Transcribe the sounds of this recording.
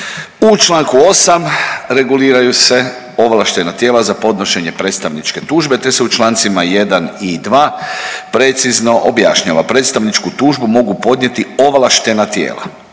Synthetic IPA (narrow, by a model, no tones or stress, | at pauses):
ut͡ʃlˠaːŋkuo̞samɾe̞ɡuliːɾajuse̞ | o̞ʋlˠaʃt̪e̞nat̪je̞ːlazapo̞d̪no̞ʃe̞ɲe̞pɾe̞t̪st̪aʋnit͡ʃke̞t̪uːʒbe̞t̪e̞seut͡ʃlˠaːnt̪simaje̞d̪anid̪ʋaːpɾe̞t̪sizno̞ʔobjaʃɲaʋapɾe̞ːt̪st̪aʋnit͡ʃkut̪uːʒbumo̞ɡupo̞d̪ɲje̞t̪io̞ʋlaʃt̪e̞nat̪jḛːla̰